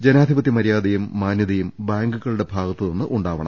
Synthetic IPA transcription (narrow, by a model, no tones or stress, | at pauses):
d͡ʑenaːd̪ʱibɐt̪ːjimɐɾijaːd̪ɐjumːaːnjɐðɐjumbaːŋɡuɣɐɭuɽe̞bʱaːɡɐt̪ːɨnenːɨʔuɳɖaːʋɐɳɐm